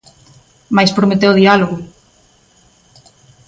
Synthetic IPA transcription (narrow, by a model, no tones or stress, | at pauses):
majspɾomet̪ewʊðialoɣʊ